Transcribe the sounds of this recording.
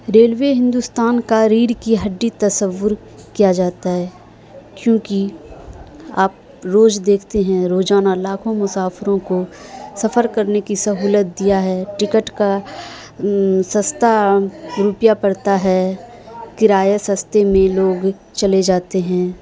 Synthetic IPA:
ɾeːlʋeɦɪ̃nd̪ust̪aːnkaɾiːɖkiɦɐɖːit̪ɐsəʋːʊɾ | kijad͡ʒaːt̪aɦɛː | kjõːki | aːp̚ | ɾoːd͡ʒd̪eːkʰt̪eɦɛ̃ɾoːd͡ʒaːnalaːkʰõmʊsaːfɪɾõkosɐfəɾkɐɾnekisɐɦuːlət̪̚d̪ijaɦɛːʈɪkəʈka | sɐ̃st̪aɾupjapɐɽt̪aɦɛ | kɪɾaːjasɐ̃st̪emẽloːɡ | t͡ʃɐled͡ʒaːt̪eɦɛ̃ː

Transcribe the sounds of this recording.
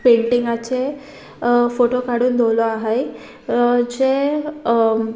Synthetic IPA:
peɳʈiŋɡat͡ɕe | foʈokaɽuːnd̪ʱolɔaɦaj | d͡ʑe

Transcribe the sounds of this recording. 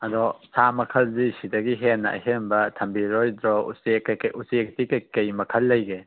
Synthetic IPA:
ɐdɔsamɐkʰɐlzisidɐɡiɦenːa̰ɦembɐtʰɐmbiɾɔjdɾɔṵsekːɐkusek̚tikekɐjmɐkʰɐlːɐjɡe

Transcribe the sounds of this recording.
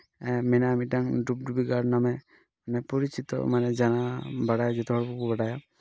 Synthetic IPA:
ɛmɛnaːmiʈaŋɖup̚ɖubiɡaɾnamɛ | manɛpɔɾit͡ʃit̪ɔ̰manɛd͡ʒanabaɽajad͡ʒɔt̪ʰɔɦɔɽpukubaɽaja

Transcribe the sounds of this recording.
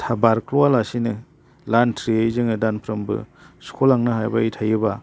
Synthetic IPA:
tʰabaɾkloalasinɯ | lantʰɾiejzɯŋɯdanpʰɾɐmbɯ̰skʰolaŋnɯɦajbaitʰajɯba

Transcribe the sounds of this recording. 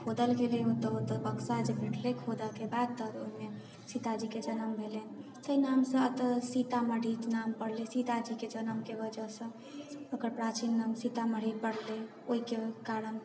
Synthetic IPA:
kʰod̪əlɡeleũt̪əot̪əbəksad͡ʒebʱẽʈʰlekʰod̪əkebad̪̚t̪əd̪oɦime | sit̪ad͡ʒiked͡ʒənəmbʱeleni | səinamsə̃ət̪əsit̪aməɽit͡ʃnampəɽlesit̪ad͡ʒiked͡ʒənəmkebəd͡ʒəsə̃ | əkəɾpɾat͡ʃinːamsit̪aməɽ̤ipəɽle | oɦikekaɾən

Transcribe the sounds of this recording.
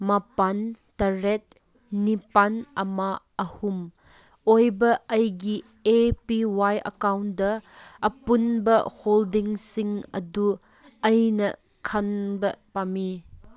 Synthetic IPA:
mapantɐɾet̚ | nipanɐma | ɐhum | ojbɐɐjɡi | epiwajɐ̰kawndɐːpunbɐholdiŋsiŋɐ̰du | ɐjnɐ̰ | kʰɐnbɐpami

